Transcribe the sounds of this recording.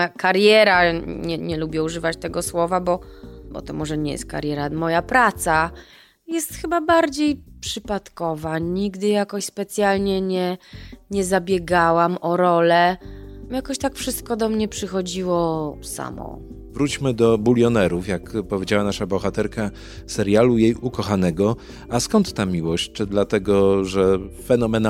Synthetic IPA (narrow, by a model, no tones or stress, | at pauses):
jakaɾjɛɾaɲɛɲɛlubʲjɛuʐɘvat͡ɕt̪ɛɡɔswɔvabɔbɔ̰t̪ɔmɔʐɛɲɛjɛ̰st̪̚ka̰ɾjɛɾamɔjapɾat̪sa | jɛst̪xɘbabaɾd͡ʑejpʂɘpat̪kɔvaɲiɡd̪ɘjakɔɕspɛt̪sʲjalɲɛɲɛɲɛzabʲjɛɡawamɔɾɔlɛjakɔɕt̪akfʂɘst̪̚kɔd̪ɔmɲɛpʂɘxɔd͡ʑiwɔsa̰mɔ̰ | vɾut͡ɕmɘd̪ɔbulʲjɔnɛɾufjakpɔvʲed͡ʑawanaʂabɔxat̪ɛɾka | sɛɾjalujejukɔxanɛɡɔ | askɔnt̪ːamʲiwɔɕt͡ɕt͡ʂɘd̪lat̪ɛɡɔʐɛfɛnɔmɛn